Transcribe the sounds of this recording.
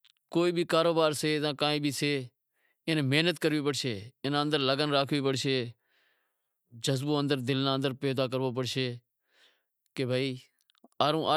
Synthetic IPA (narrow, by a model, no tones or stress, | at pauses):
koːiːbʱiːkaːɾoːbaːɾseːzãːkãːĩːbʱiːseː | ɪnmeːnət̪kəɾʋiːpəɽʃeːɪnːə̃nd̪əɾləɡənɾaːkʰʋiːpəɽʃeː | d͡ʒəzbõːənd̪əɾd̪ɪlnaːnd̪əɾpeːd̪aːk̬əɾʋoːp̬əɽʃeː | keːbʱaːiː | aːɾõːʔaː